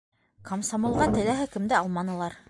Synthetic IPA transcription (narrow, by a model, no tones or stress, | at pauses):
kɐmsomŏlˠʁɑt̪ɘ̆læɦɘkɘ̆md̪ɘɑlˠmɑnɤ̆lˠɑɾ